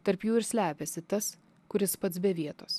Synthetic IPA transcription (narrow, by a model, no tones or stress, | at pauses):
t̪ɐɾpjuːɪɾsʲlʲæːpʲɛsʲɪt̪ɐs | kʊɾʲɪspɐt̪sbʲɛʋʲiɛt̪oːs